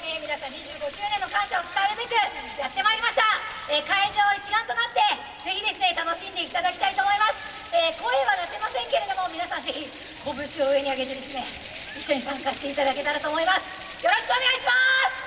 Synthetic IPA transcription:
emʲinasãɲ̟ːiʑɨːɡo̞ɕɨːnẽ̞nːo̞kãɰ̃ɕaot͡sɨ̥t̪aeɾɯbe̞kɯ̟jat̪ːe̞maiɾʲimaɕi̥t̪a | eːkaiʑo̞ːit͡ɕiɡãnt̪onat̪ːe̞ | d͡zeçʲid̪e̞sɨne̞t̪ano̞ɕĩnd̪e̞it̪ad̪akʲi̥t̪ait̪o̞ːmo̞imasɨ̥ | eːko̞ːeβanat̪e̞masẽ̞ŋke̞ɾe̞d̪o̞mo̞mʲinasãnze̞çʲi | ko̞bɯ̟ɕio̞ɯ̟e̞ɲ̟iaɡe̞t̪e̞d̪e̞sɨne̞ | iɕːo̞ɲ̟isãŋkaɕi̥t̪e̞it̪ad̪ake̞t̪aɾat̪oːmo̞imasɨ̥ | jo̞ɾo̞ɕi̥kɨoneaiɕimasɨ̥

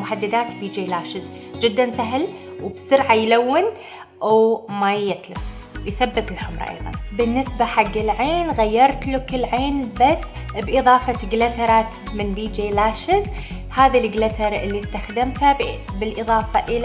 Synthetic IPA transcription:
mʊħad̪ːɪd̪aːt̪biːd͡ʒelaːʃɪz | d͡ʒɪd̪ːansaɦl | wbsʊɾʕajlawːɪn | ʔwmajɪt̪lɪf | jθabːɪt̪ɪlħʊmɾˤɑ̰ʔɑ̰jðˤɑ̰nbɪnːɪsbaħaɡːɪlʕeːnɣajːɑɾˤt̪lʊkɪlʕeːnbasːbʔɨðˤɑːfɑɡlat̪ɑɾˤɑːt̪ | mɪnbiːd͡ʒelaːʃɪz | haːðalɡlat̪ɑɾˤʔɪlːist̪axd̪amt̪abɪlʔɨðˤɑːfɑʔɪl

